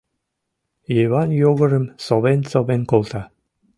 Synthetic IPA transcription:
jeβɑnjoɣə̆ɾə̆msoβensoβenkolˠt̪ɑ

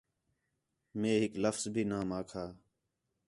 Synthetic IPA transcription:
mẽːɦɪkləfzbʱiːnaːmaːkʰaː

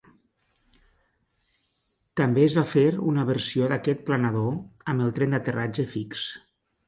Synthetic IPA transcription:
t̪ambeːzβafeɾunəβəɾsioðakɛt̪̚planaðoəməlˠt̪ɾɛnd̪ət̪ərʔad͡ʒəfiks

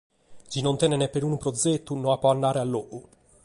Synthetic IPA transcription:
d͡ʒinont̪ɛnɛnɛpːeɾuːnupɾod̪zet̪ːunoapːɔanːaːɾealːoʔu

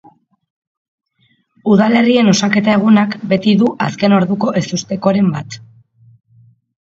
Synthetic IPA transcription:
uðale̞rie̞no̞sake̞t̪ae̞ɣ̞unakbe̞t̪iðuʔa̰ske̞no̞ɾðuko̞ʔe̞sust̪e̞ko̞ɾe̞mbat̪

